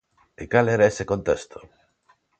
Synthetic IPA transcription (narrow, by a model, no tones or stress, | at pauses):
ekaleɾaesekont̪est̪ʰo̥